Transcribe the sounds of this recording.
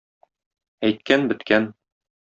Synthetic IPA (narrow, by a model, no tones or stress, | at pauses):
æjt̪̚kænbɘ̆t̪kæn